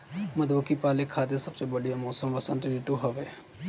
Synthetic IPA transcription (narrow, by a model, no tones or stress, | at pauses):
məd̪ʋəkipaːlekʰaːd̪esəbsebəɽijamɔːsəmʋəsə̃nt̪ɾiʈ̪uɦəʋe